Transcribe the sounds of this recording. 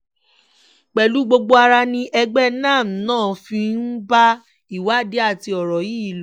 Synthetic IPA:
k͡pɛ˨lu˨˦ɡ͡bo˧ɡ͡bo˦a˧ɾa˧nĩ˧ʔɛ˧ɡ͡bɛ˦nãː˦˨m̩˨nãː˦˨fĩ˧n̩˦ba˦ | i˨wa˨˦˨de˦a˦˨ti˧ɔ˨ɾɔ˨ji˦˨lo˨

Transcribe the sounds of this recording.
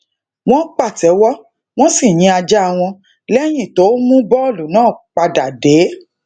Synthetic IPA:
w̃ɔ̃˦k͡pa˦˨tɛ˨˦wɔ˦ | w̃ɔ̃˦si˦˨ɲ̃ĩ˨˧a˧d͡ʒa˦a˧w̃ɔ̃˧ | lɛ˦j̃ĩ˦˨to˨˦mũ˦bɔ˦o˦˨lu˨˦nãː˦˨k͡pa˧da˨deː˨˦

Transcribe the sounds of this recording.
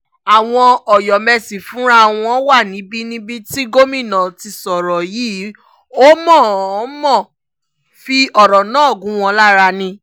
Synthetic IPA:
a˨w̃ɔ̃˧ɔ˨jɔ˨mɛ˧si˨fũ˨˦ɾa˦˨w̃ɔ̃˧˦wa˦˨nĩ˨˦bi˦nĩ˦bi˦ti˦ɡo˦mĩ˦˨nã˨ti˧sɔ˨ɾɔ˨jiː˨˦ | o˦mɔ̃˦˨˦mɔ̃˦˨ | fi˧ɔ˨ɾɔ˨nãː˨˦˨ɡũ˨˦w̃ɔ̃˧la˦ɾa˧nĩ˧

